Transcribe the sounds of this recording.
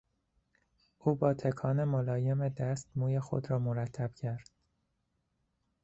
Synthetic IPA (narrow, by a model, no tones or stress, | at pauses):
ʔuːbɒːt̪ʰekʰɒːnemolɒːje̞med̪æst̪muːjexo̰d̪ɾɒːmoɾæt̪ʰːæb̥̚cʰæɾd̪̥̚